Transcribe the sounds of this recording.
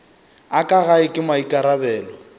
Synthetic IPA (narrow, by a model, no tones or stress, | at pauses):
akʼaɣaɪkʼɪmaikʼaɾabɛːlɔ